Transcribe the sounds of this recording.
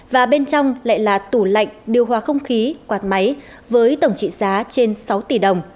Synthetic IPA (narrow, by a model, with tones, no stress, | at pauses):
vaː˨˩ɓe˧nt͡ɕɔ˧wŋ͡mla̰ː˧˨jlaː˨˩t̪u˧˩la̰˧˨jŋ̟ɗi˨˩əwɦwaː˨˩xə˧wŋ͡mxi˨˦kwaː˨˩t̚ma˨˦j | vəː˨˦jt̪ə˧˩wŋ͡mt͡ɕḭ˧˨zaː˨˦t͡ɕe˧nsa˨˦wt̪i˧˩ɗə˨˩wŋ͡m